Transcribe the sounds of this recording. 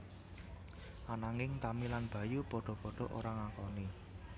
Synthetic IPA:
ʔanaŋɪŋt̪amilanb̥ä̤jupɔɖ̥ɔ̤pɔɖ̥ɔ̤ʔo̰ɾaŋakɔni

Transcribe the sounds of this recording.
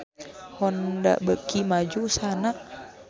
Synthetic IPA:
hɔnda̰ʔbəkimad͡ʒusanaʔ

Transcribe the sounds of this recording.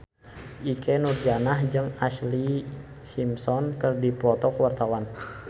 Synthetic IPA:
ʔikɛnurd͡ʒanahd͡ʒɨŋasli | simsɔnkərdipɔt̪ɔkəwart̪awan

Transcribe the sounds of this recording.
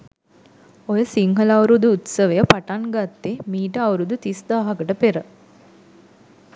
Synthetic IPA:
ojəsiŋɦəlawɾud̪uːt̪səʋejəpaʈaŋɡat̪ːemiːʈəawɾud̪ut̪isd̪aːɦakəʈəpeɾə

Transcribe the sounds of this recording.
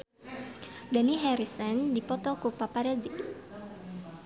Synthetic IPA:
daniɦɛɾisəndipɔt̪ɔkupapaɾad͡ʒi

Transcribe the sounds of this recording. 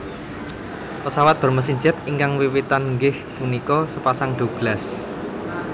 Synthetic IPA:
pəsawat̪̚b̥ɔ̤rməsiɲd͡ʒat̪iŋkaŋwiwit̪anŋɡɪhpunikɔsəpasaŋɖ̪̥o̤ɡ̥las

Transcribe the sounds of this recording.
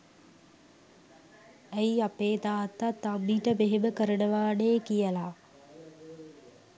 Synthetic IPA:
æjiapeːd̪aːt̪ːat̪ːamːiːʈəbeɦeməkəɾənəʋaːneːkijəla

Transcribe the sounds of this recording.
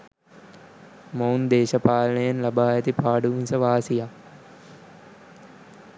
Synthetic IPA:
mownd̪eːʃɐpaːlɐɳɐjɐnlɐbaːjɐt̪ipaːɖuʋinsɐʋaːsija

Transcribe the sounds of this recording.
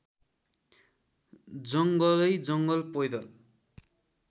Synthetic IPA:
d͡zʌŋɡʌlʌjd͡zʌŋɡʌlpʌjd̪ʌl

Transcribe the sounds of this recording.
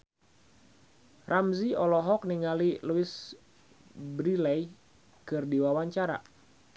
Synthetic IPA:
rʔamziɔlɔɦɔk̚niŋaliluɪs | bɾilɛj | kɨrdiwawaɲt͡ʃaɾa̰

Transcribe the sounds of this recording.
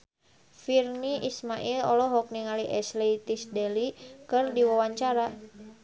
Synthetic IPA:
firniʔismaʔilɔlɔɦɔk̚niŋaliʔɛsliit̪isdɛlikɨrdiwawaɲt͡ʃaɾa

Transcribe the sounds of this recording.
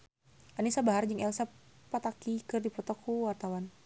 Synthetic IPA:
ʔanisabaɦard͡ʒɨŋɛlsapːat̪akikɨrdipɔt̪ɔkʰuwart̪awan

